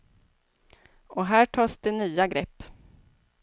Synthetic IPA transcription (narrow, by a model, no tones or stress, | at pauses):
ʔɔɦæːʈʰɑːsd̪̥ɛnyːaɡɾɛpː